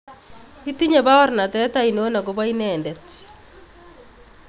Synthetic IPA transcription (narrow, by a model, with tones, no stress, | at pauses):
i˦ti˦ɲa˨βa˦ɔ˦ɾna˨tɛ˦ta˦ino˦na˨koβa˦inɛːndɛt